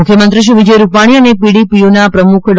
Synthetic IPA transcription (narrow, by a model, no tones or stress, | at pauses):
ukʰjəmənt̪ɾiʃ̬iʋid͡ʒəjɾupaɽ̃iənepiɽipionapɾəmukʰl